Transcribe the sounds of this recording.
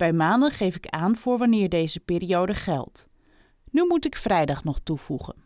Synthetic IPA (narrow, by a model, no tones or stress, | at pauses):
b̥ɛjmaːndənχejfɪkaːnv̥ʊːɹʋɑnɪːɹdejzəpɪːɾiowdəχɛ̰lˠt | nymutɪkfrɛjdɑχnɔχtuv̥uχə̰n